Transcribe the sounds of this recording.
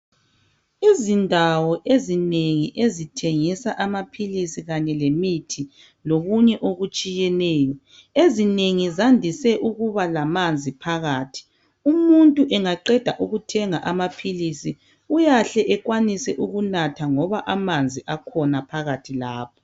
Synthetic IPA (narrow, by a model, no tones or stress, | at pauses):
izindʱawɔʔezineŋiʔezitʰeŋisaʔamapʰilisiɣaɲɛlemitʰi | loɣuɲɛʔoɣut͡ʃʼijɛnɛːjɔ | ezineŋizandʱisɛʔuɣuβalamand͡zʱipʰaɣaːtʰi̥ | umuntʼuʔɛŋaǃɛd̥ʱa̰ʔuɣutʰɛŋaʔamapʰilisi | ujaɬɛʔɛɣwanisɛʔuɣunatʰaŋɔβaʔamand͡zʱiʔakʰɔnapʰaɣatʰilaːp̚ʰɔ̥